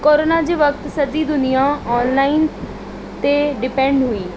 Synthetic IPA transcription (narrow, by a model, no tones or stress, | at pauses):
koːɾoːnaːd͡ʒiʋək̚t̪səd͡ʒiːd̪ʊnɪjãːɔːnlaːin | t̪eːɖɪpɛ̃ːɳɖɦʊiː